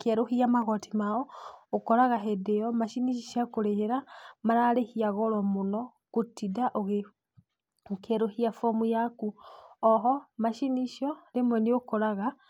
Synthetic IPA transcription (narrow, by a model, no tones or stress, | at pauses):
keɾohiamaɣɔtimaɔokɔɾaɣaɦɛdeɔmaʃiniʃ̬iʃakoɾeheɾamaɾaːɾehiaɣɔɾɔmonɔ | kotidaʔoɣe | okeɾohiafɔmujakuɔɦɔmaʃiniʃɔlemwɛniokɔɾaɣa